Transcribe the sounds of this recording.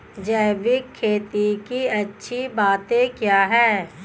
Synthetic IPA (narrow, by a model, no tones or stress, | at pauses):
d͡ʒɛːʋɪkʰːeːt̪ikiɐtːʃʰibaːt̪ẽkjaːɦɛː